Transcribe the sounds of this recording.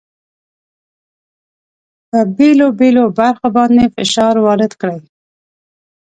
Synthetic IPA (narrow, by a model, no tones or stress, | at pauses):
pəbelobelobaɾxobɑnd̪efɪ̰ʃɑɾwɑɾɪd̪kɽaj